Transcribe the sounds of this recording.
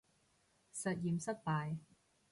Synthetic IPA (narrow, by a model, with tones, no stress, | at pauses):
sɐ˨t̚jiː˨˩msɐ˥t̚paː˨j